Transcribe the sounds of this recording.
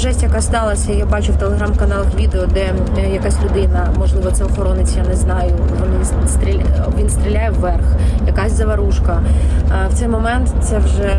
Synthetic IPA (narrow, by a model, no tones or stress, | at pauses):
ʒɛsʲtʲjɐkɑst̪ɑlˠɐsʲɐijabɑt͡ʃʊwt̪elˠeɦɾamkɐnɑlˠɐxʋʲid̪eɔd̪ɛ | jɐkasʲlʲʊd̪ɪnɐmɔʒlˠɪʋɔt̪sɛɔxɔɾɔnɪt͡sʲjanɛznɑjʊʋɔnʲisst̪ɾʲiʋʲinst̪ɾʲilʲajɛʋːɛrxjɐkɑsʲzɐʋɐɾuʃkɐwt̪sɛjmɔmɛnt̪t̪sɛwʒɛ